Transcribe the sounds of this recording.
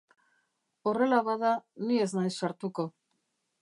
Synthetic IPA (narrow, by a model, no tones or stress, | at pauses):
o̞re̞laβaðanie̞znajsːaɾt̪uko̞